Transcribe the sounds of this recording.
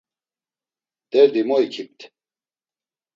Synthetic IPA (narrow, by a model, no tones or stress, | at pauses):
d̪̥ɛɾd̪imɔikʰip̚t̪ʰ